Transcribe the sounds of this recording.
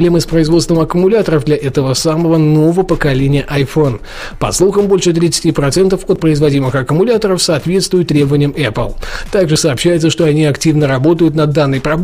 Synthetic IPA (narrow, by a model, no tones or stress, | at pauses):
lʲe̞mɨspɾəɪzvo̞t̪st̪vəmɐkʊmʊlʲat̪əɾəvd̪lʲɐʔɛt̪əvəsaməvənovəpəkɐlʲenʲɪjəʔɐjfo̞n | pɐ̰slˠuxəmbo̞lʲʂɨt̪ɾʲit̪sɨ̥tʲipɾɐt̪sɛnt̪əfot̪̚pɾəɪzvɐdʲimɨxɐkəmʊlʲat̪əɾəfsɐːt̪vʲe̞t̪st̪vʊjɪt̪ːɾʲebəvənʲɪjəmɛplˠt̪aɡʐɨsɐːpɕːæjɪt̪səʂt̪oɐnʲiɐktʲivnəɾɐbo̞t̪əjʊt̪nɐd̪ːanːəjpɾɐb